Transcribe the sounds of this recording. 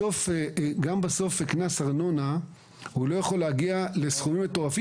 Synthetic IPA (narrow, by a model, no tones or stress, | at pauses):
ofɡambaso̞feknasaʁno̞na | hulo̞jaχo̞leaɡiale̞sχumimeto̞ʁafi